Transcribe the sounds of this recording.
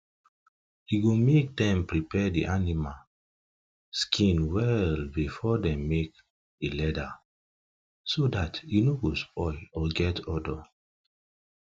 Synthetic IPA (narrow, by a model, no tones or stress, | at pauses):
iɡomek̚dɛ̃mpɹipɛdḭʔanimal | skʰĩnwɛlbifɔdɛ̃mːek | elɛda | sodatinoɡospʰɔɪɔɡɛtɔdɔ